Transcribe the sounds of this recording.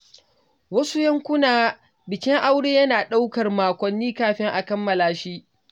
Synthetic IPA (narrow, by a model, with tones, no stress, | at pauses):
wɐ˦su˦jɐ˦ŋkʷʊ˦naː˨ | bɪ˨kʲɪ˦ŋʔa˦wɽeː˦jɐ˦naː˨ɗa˦wkɐ˨rmaː˨kʷɔ˨nːiː˦kaː˦ɸɪ˦ŋʔa˨kɐ˦mːɐ˨laː˨ʃi˦